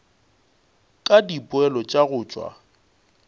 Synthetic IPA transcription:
kʼadipʼʊɛlɔt͡ʃʼaɣʊːt͡ʃʼwa̰

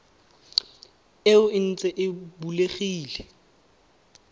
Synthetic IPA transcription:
ɪʊɪn̩t͡sʼɛʔɪbuleχiːlɛ

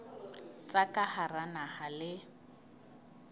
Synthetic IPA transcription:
t͡sʼakʼaharanahalɪ

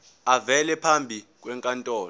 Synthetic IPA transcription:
avɛlɛpʰambʱik̬ʼwɛŋkʼantʼɔːl

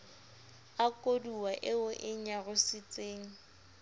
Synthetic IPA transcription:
akʼoduwaʔɪʊʔɪɲaɣʊsɪt͡sʼeːŋ̩

